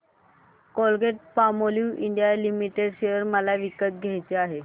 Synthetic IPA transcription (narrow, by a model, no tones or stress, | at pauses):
kɔlɡeʈ̚pamoljuʔiɳɖijalimiʈeɽɕeəɾməlaʋikət̪̚ɡʱajt͡seaɦe